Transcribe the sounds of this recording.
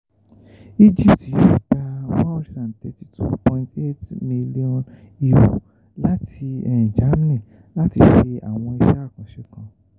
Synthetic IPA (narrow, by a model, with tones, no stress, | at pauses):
i˦d͡ʒi˦˨pti˨jo˦˨da˧wa˦o˦ɾi˧ɾã˨n˨tɛ˨ti˨tʰṵ˦pɔ̃˧ĩ˧te˦tmi˧li˦ɔ̃˨n | i˧wo̰˨ | la˦tʰi˧ɛ̃˨d͡ʒa˨˦m˦nɛ̃˦˨ | la˦ti˧ʃe˧a̰˨w̃ɔ̃˧i˧ʃa˦˨kã˨ʃɛ˨˧kã˧